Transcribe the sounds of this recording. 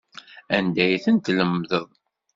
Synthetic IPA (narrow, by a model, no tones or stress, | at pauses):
ænd̪æjθənt̪ləmːðəðˤ